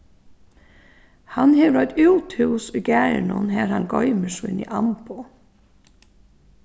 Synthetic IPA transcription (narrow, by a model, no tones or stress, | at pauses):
hɑnheːʋɾɔʏt̪ʉːt̪hʉːsuːɡæːɾɳʊ̰nhæːɾhɑŋɡɔʏməʂɪ̰nḭːʔɑmpʊ